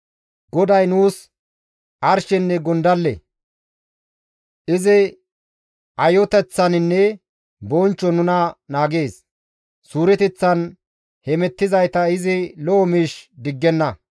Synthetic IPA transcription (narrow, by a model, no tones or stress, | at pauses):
ɡ̥ɔd̪ɐjnuːs | ʔɐɾʃɛnːɛɡɔnd̪ɐlːɛ̰ | ʔɪzɪ | ʔɐjɔt̪ɛt͡sːɐnɪnːɛ | bɔnt͡ʃːɔnʊnɐnaːɡe̞ːs | suːɾɛt̪ɛt͡sːɐn | hɛmɛt̪ːɪzɐjt̪ɐɪzɪlɔːmiːʃd̪ɪɡːɛnːɐ